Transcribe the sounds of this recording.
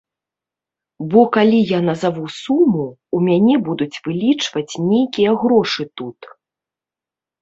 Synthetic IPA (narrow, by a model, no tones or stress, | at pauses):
bɔkalʲijanɐzavusumːu | umʲanʲɛbud̪ut͡sʲvɨlʲit͡ʂvɐt͡sʲnʲejkʲijɐɣɾɔʂɨt̪ut̪